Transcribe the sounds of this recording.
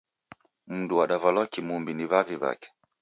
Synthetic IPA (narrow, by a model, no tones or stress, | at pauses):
m̩nduwaɗavalɔkimumbiniβaviβa̰kɛ̥